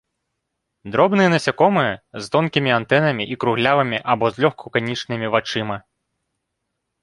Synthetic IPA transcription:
d̪ɾɔbnɨjɛnɐsʲakɔmɨjɛzt̪ɔnkʲimʲiant̪ɛnɐmʲiʔikɾuɣlʲavɐmʲiʔabɔzʲlʲɔxkʰɔkanʲit͡ʂnɨmʲivat͡ʂɨmɐ

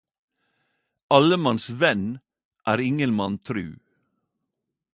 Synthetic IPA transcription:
ɑləmɑnsʋɛn | ʔæːɾɪŋənmɑnt̪ʰɾʉ̰ː

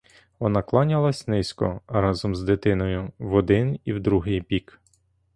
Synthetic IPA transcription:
ʋɔnɑklˠɑnʲɐlˠɐsʲnɪskɔ̰ɾɑzɔmzd̪ɪt̪ɪnɔjʊʋɔd̪ɪniwd̪ɾuɦɪjbʲik

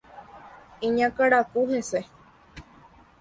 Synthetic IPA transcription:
ĩɲãkaɾakuhese

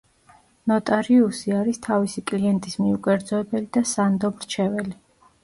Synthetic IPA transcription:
nɔt̪ʼaɾiusiaɾist̪ʰavisikʼliɛnt̪ʼismiukʼɛɾd̪zɔɛbɛlid̪asand̪ɔmɾt͡ʃʰɛvɛli

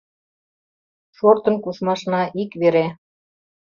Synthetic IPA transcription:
ʃort̪ə̆nkuʃmɑʃnɑʔikβeɾe

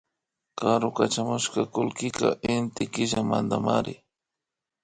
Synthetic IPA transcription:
kaɾʊkat͡ʃamʊʃkakʊlkɪka̰ʔɪnt̪ɪkɪʒamand̪amaɾɪ

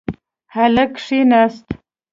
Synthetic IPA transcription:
halakʂinast̪

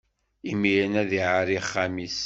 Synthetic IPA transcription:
imijənæðiʕaɾiχːamis

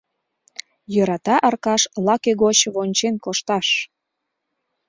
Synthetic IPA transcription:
jɤɾɑt̪ɑʔɑrkɑʃlɑkeɣot͡ɕβonʲt͡ɕenkoʃt̪ɑʃ

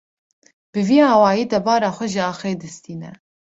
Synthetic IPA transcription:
b̥ɨviːɑːwɑːjiːd̪ɛbɑːɾɑːxʷɛʒɪɑːxeːd̪ɨst̪iːnɛ̰

